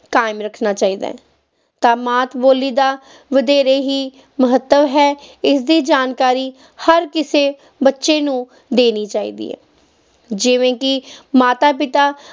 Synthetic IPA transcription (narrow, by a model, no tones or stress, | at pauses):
kaːɪmɾəkʰnaːt͡ʃaːiːd̪a̰ːɛ | t̪ãːmaːt̪ʰboːliːd̪aː | ʋəd̪eːɾeːɦiː | məɦət̪ːəʋɦɛːɪsd̪iːd͡ʒaːnkaːɾiː | həɾkɪseː | bətːʃeːnũː | d̪eːniːt͡ʃaːḭːd̪ḭːɛ̰ː | d͡ʒɪʋẽːkɪmaːt̪aːpɪt̪aː